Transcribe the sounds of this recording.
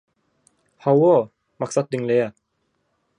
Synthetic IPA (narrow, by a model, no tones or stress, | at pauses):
hɑwo | mɑqsɑt̪̚d̪iŋlejæ